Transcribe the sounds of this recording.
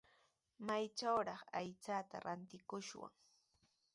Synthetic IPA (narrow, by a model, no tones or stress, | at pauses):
majt͡ʃawɾɑχajt͡sat̪a̰ɾant̪ɪkʊʃwa̰ŋ